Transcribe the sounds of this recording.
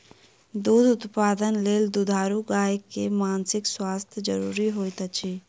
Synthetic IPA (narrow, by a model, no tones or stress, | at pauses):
d̪uːd̪ʊt̪paːd̪ənleːld̪ud̪ʱaːɾuɡaːekːemaːnsɪkswaːst̪ʰjəd͡ʒə̰ɾuːɾiɦoːjt̪ət͡ʃʰi